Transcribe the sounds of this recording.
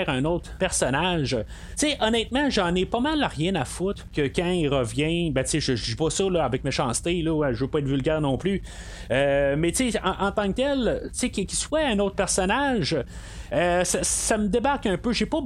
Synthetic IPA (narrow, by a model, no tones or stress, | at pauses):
ɛʁɛ̃nɔt̪χpɛʁsɔnaʒ | t͡seʔɔnɛt̪mãʒɑ̃nepɔmalaʁjɛ̃nafʊt̪kʲəkʲãiʁəvjɛ̃bɛt͡seʒəʒd̪ipɔsɔlɔavɛk̚meʃɑ̃ːst̪elɔɛʒəvøpɔɛt̪vylɡʲɛːʁnɔ̃ːply | ømɛt͡seɑ̃ʔɑ̃t̪ɑ̃k̚t̪ɛlt͡sekʲikʲi̥swɛɛ̃nowt̪χpɛʁsɔnaʒ | øsassaməd̪ebaʁkœ̃pøʒepɔ